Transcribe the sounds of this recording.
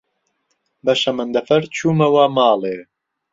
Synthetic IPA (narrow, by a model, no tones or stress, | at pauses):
bɐʃɐmɐnd̪ɐfɐɾt͡ʃʰuːmɐwamaːleː